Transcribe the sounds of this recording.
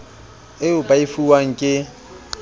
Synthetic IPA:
ɪʊpʼaifuwaŋ̩kʼɪ

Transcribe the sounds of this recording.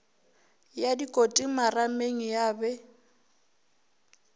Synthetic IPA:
jadikʼotʼimarameŋ̩jaːbɛ

